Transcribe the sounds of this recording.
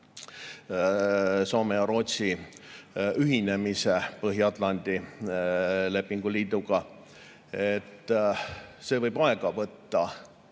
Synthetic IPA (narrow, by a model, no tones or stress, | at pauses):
so̞ːmejɑɾo̞ːt̪si | yɦine̞mise̞pɤɦjɑt̪ˑlɑnʲd̪̥i | le̞pːiŋɡ̥uliːd̪uɡ̥ɑ | et̪ːˑ | se̞ːvɤjbɑeɡ̥ɑvɤt̪ːɑ